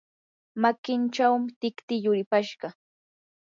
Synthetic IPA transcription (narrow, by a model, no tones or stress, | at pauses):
makɪnt͡ʃawmɪt̪ɪkt̪ɪjʊɾɪpaʃɢɑ